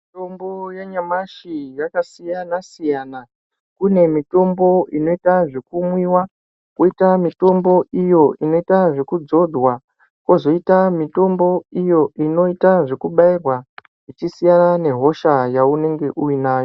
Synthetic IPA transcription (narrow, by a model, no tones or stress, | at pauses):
itombojaɲamaʃijakasijanasijaːna | kune̞mito̞mbo̞ino̞itaʐe̞kumwiwa | koitamito̞mbo̞ʔijo̞ʔino̞itaʐe̞kud͡zo̞dʱwa | ko̞zo̞itamito̞mbo̞ijo̞ʔino̞itaʐe̞kuɓairwa | it͡ʃisijanane̞ɦo̞ʃajaune̞ŋɡe̞ʔuinaːjo